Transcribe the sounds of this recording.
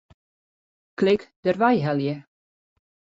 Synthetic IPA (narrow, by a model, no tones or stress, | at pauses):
klɪkdərʋajɦɛljə